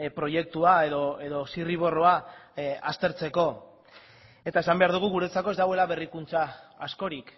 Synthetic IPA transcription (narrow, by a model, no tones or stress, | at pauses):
pɾo̞je̞k̚t̪uae̞ðo̞e̞ðo̞siriβ̞o̞ro̞aast̪e̞ɾt͡se̞ko̞ | e̞t̪ae̞sambe̞aɾðuɣ̞uɣ̞uɾe̞t͡sako̞e̞zd̪awe̞laβe̞rikunt͡saːsko̞ɾik